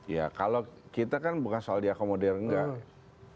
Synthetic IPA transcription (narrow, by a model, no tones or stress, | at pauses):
ja̰kalokit̪akanbukansoaldiakomodɛrəŋɡa